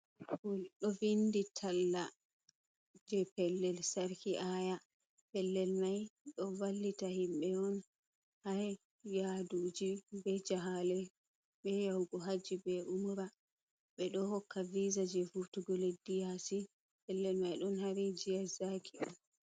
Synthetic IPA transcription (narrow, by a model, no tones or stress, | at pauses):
kulɗɔvinditʰalːa | d͡ʒɛpɛlːɛlsaɾkiʔaja | pɛlːɛlmajɗɔvalːitahimɓɛɔn | haɾɛ | jadud͡ʒibɛd͡ʒaɦalɛ | ɓɛjawɡɔɦad͡ʒibɛʔumuɾa | ɓɛɗɔhɔkʰːavizad͡ʒɛfutuɡɔledijasi | pɛlːɛlmajɗɔnhaɾid͡ʒijazakʰiɔm